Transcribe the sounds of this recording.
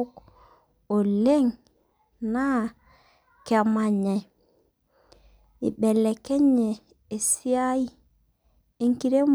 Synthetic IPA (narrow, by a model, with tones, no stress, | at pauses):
k | o˨le˦ŋ | na˦ | ka˨ma˨ɲɛ˨ | ḭ˨ɓɛ˨lɛ˨kɛ˦ɲeː˨ | si˦a˦i˦ | i˦ŋki˦ɾe˦m